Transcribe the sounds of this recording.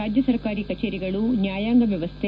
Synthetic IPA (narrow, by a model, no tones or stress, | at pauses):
aːd͡ʒjɐsɐɾkaːɾiːkɐt͡ʃeːɾiɡɐɭunjaːjaːŋɡɐʋjɐʋɐst̪ʰe